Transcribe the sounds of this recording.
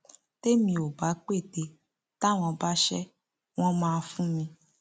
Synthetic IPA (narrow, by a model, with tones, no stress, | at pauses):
te˦mĩ˧o˨ba˨˦k͡pe˦˨te˧ | ta˦w̃ɔ̃˧ba˦ʃɛ˦ | w̃ɔ̃˦mãː˧fũ˦mĩ˧